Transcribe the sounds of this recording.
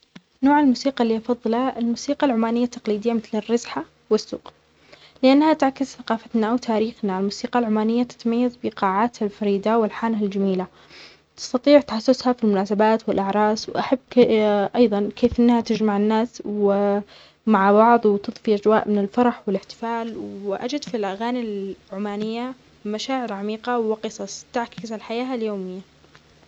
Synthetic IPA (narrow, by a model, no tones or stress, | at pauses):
noːʕɪlmuːsiːqɑlːiːʔɑfɑðˤːɨlaɪlmuːsiːqɑlʕʊmaːnɪjːat̪ːɑqliːd̪ɪjːamɪθlɪrːɑzħa | wɪsːṵːq | lɪʔanːhat̪ʕakːɪzθaqɑːfat̪naʔawt̪ʰaːɾiːxnalmuːsiːqɑlʕʊmaːnɪjːat̪ɪ̥t̪majːazbɪqɑːʕaːt̪halfɑɾiːd̪awɪlħaːnɦald͡ʒamiːla | t̪ɪ̥st̪ɑt̪ˤiːʕt̪ħasːʊshafilmʊnaːsabaːt̪wɪlʔaʕɾˤɑːswʔaħabːʔɑjðˤɑnkʰeːfʔɪnːhat̪ɪd͡ʒmaʕɪnːaːswɪ | maʕbɑʕðˤwɪt̪ɨðˤfiʔad͡ʒwa̰ːʔmɪnɪlfɑɾˤɑħwɪlɪħt̪ɪ̥faːlwɪʔa̰d͡ʒɪd̪filʔaɣaːnilʕʊmaːnɪjːa | maʃaːʕɪɾʕamiːqɑwɪqɨsˤɑsˤt̪ɪʕkɪzɪlħajaːhaljoːmɪjːa